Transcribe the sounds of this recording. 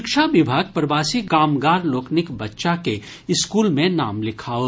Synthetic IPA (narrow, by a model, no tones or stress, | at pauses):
ɪkʃaʋɪbʱaːɡ̚pɾɐbaːsiɡaːmɡaːɾloːknɪkbɐtːʃake | ɪskuːlmẽna̰ːmlɪkʰaːo